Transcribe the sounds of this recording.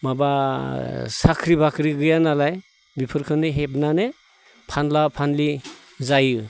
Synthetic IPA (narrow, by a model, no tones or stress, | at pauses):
maba | sakʰɾibakʰɾiɡɯjanalaj | bipʰɯɾkʰɯnɯɦep̚nane | pʰanlapʰanli | zajɯ